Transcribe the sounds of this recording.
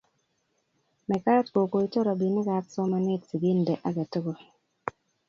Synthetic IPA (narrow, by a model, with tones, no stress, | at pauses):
mɛ˨ka˦tko˨ko˨i˦tɔ˦ɾa˨bi˨nɪ˦ka˨tsɔ˦ma˨ne˦tsi˨ɡi˦ndɛ˨ʔa˦ɡe˨tə˦ɡo˨